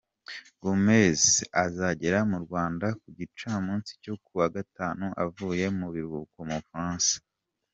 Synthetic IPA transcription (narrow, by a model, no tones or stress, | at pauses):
ɡ̥omezazaɟe̞ɾamuɾɡwaːndakuɟit͡ʃaːmuːnsi̥co̞kuwaɡataːnuʔa̰vuːje̞muβiɾukomufɾaːnsḁ